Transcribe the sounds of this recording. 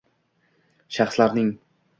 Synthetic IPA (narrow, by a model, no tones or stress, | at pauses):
ʃaχslaɾnɪŋ